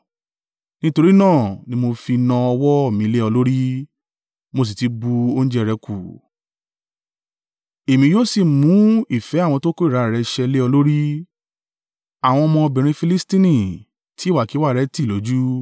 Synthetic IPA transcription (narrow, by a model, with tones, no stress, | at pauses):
nĩ˦to˧ɾi˦nãː˦˨nĩ˧˦mo˧fi˧nã˧ɔ˧wɔ˦ɔ˦˨mĩ˧le˦ɔ˧lo˦ɾi˦ | mo˧s̬i˨ti˧ɡ͡bu˧o˦ñ̩˦d͡ʒɛ˦˧ɾɛ˧ku˨ | e˨mĩ˧joː˦si˦˨mũ˨˦i˦˨fɛ˨˦a˦˨w̃ɔ̃˧to˦ko˦i˦˨ɾa˨˧˦ɾɛ˧ʃɛ˧le˦ɔ˧lo˦ɾi˦ | a˨w̃ɔ̃˧ɔ˧mɔ̃˧ɔ˧bĩ˨ɾ̃ĩ˧fi˧li˦stĩ˦nĩ˦˨ | ti˦˨wa˨ki˨˦wa˦˨ɾɛ˨˦ti˦˨lo˨˦d͡ʒu˦